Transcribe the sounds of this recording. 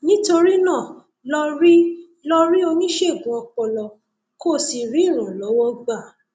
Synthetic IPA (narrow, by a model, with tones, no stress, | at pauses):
nĩ˦to˧ɾi˦nã˦˨ | lɔ˧ɾi˦ | lɔ˧ɾi˦o˧nĩ˦ʃe˦˨ɡũ˨˦ɔ˧k͡pɔ˨lɔ˨ | ko˦˨si˨ɾi˨˦˨ɾ̃ã˨lɔ˨˦wɔ˦ɡ͡ba˦˨